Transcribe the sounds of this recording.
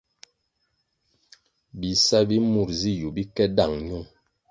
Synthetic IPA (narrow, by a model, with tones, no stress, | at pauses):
bi˨sa˦bi˦mu˨ɾzi˦ju˨bi˦kɛ˦da˦˨ŋɲu˦˨ŋ